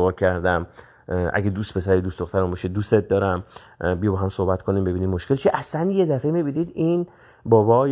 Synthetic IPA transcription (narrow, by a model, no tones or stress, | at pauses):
ɣɒːcʰæɾd̪æm | ʔæ̰ɡed̪uːst̪̚pʰe̞sæɾid̪ustd̪oχt̪ʰæɾumbɒʃed̪uset̪̚d̪ɒːɾæm | bijebɒɦæmsohbæt̪kʰonimbe̞biːnimmoʃkelt͡ʃʰiʔæslænjed̪æfemibinid̪in | bɒːbɒj